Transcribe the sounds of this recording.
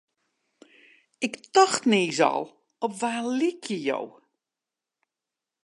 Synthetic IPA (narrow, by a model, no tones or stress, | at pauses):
ɪktɔxtneːzɔ̰lˠ | ɔpʋaːlɪkʰjəjo̰w